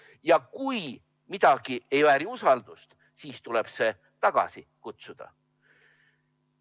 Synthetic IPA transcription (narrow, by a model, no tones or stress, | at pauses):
jɑkuj | mid̪̥ɑɡ̥ie̞jvæːɾiusɑld̪̥ust̪ | siːst̪ule̞b̥se̞ | t̪ɑɡ̥ɑ̰sikut̪sud̪̥ɑ̰